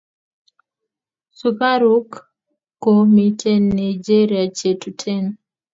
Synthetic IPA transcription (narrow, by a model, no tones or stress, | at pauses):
supaɾukː | ɔmitʰɛnaid͡ʒɛɾiat͡ʃetutʰɛn